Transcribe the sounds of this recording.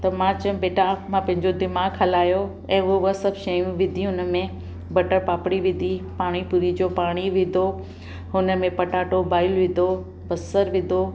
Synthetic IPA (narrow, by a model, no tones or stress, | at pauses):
t̪ɐmãːt͡ɕəʊ̃beːʈamãpɐ̃ɦɪ̃ɲd͡ʑod̪ɪmaːɡʰɐlaːjo | ɛ̃ːʊɦoəsɐbʱʃɐjũʋɪd̪ʱiɦʊnəmẽ | bɐʈəɾpaːpɽ̃iʋɪd̪ʱipaːɽ̃ipuɾid͡ʑoːpaːɽ̃iʋɪd̪ʱo | ɦʊnəmẽpɐʈaːʈobaːɪlʋɪ̃d̪ʱo | bɐsəɾʋɪ̃d̪ʱo